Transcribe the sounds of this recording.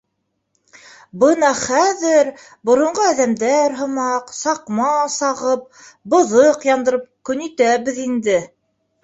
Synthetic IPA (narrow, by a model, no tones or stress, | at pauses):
bɤnɑχæðɘɾ | bŏɾŏɴʁɤæðæmd̪æɾɦɤ̆mɑqsɑqmɑsɑʁɤp̚ | bɤ̆ðɤqjɑnd̪ɤ̆ɾɤp̚kɵ̆nit̪æβɘ̆ðind̪ɘ